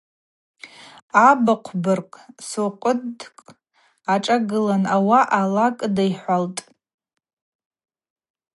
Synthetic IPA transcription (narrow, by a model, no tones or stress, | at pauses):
abaqʷʰbɨrkʼsoqʷʼʊdkʼ | aʈ͡ʂʼaɡɨlanawaʔalakʼdajħʷaltʼ